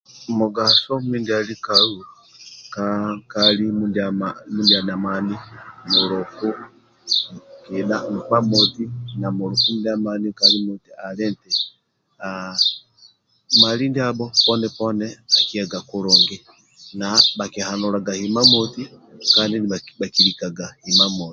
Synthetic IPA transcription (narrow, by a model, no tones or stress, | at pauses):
muɡasɔmindialikau | kakalimundamamundianamanimuɾɔku | kiɗam̩pamotinamuɾukumdamanikalimutialɛntɛ | a | malindiabɔpɔnɛpɔnɛakiaɡakuɾɔŋɡɛ | nabakehanuɾaɡahimamɔti | kandinabakiɾikaɡahimamɔi